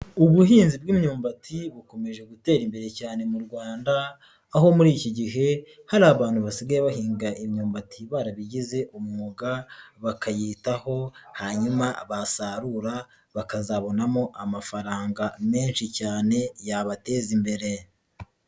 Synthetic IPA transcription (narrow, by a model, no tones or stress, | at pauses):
uβuɦiːnzib̚ɡiːmɲuːmbatʰiβuko̞meʒe̞ɡute̞ːɾimbe̞ɾe̞caːne̞muɾɡwaːndaː | ho̞muɾiːciɟiɦe̞ | haɾaβaːn̥huβasiɡajeβahiːŋɡaimɲuːmbatʰiβaːɾaβiɟize̞ʔumuuɡaβakajiːtaho̞haɲumaβasaɾuɾa | βakazaβo̞namo̞ʔamafaɾaːŋɡame̞ːnʃicaːne̞jaβate̞zimbe̞ɾe̞